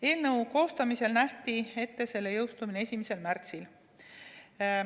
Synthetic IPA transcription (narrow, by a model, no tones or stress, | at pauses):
e̞ːlnɤuwko̞ːst̪ɑmise̞lnæht̪ie̞t̪ːe̞se̞lːe̞jɤwst̪uminee̞sʲimise̞lmært̪sil